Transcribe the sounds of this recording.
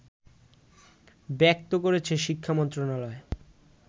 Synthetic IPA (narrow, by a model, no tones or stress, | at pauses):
bɛk̚t̪okoɾet͡ɕʰeʃikʰːamɔnt̪ɾonalɔe